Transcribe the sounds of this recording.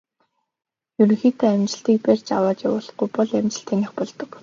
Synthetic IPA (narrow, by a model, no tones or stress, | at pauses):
jɵɾɵ̆ŋxiːt̪ʰeːæmt͡ɕɪ̥̆ɬt̪iːk̚pærʲt͡ɕawaːt͡ɕjawʊ̆ːɮ̆χujpɔɮæmt͡ɕɪ̆ɬt̪ʰeːnĭχpɔɮt̪ɞ̆k